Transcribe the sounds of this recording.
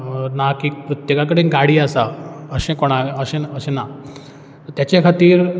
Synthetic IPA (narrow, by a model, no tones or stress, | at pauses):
nakipɾut̪jekak̬əɽinɡaɽiːasaəɕẽkoɽ̃aəɕẽəɕẽna | t̪jat͡ɕekʰat̪iːɾ